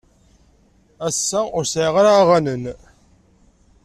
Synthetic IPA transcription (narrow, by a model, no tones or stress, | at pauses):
æsːæʊɾsʕiʁaɾʁanən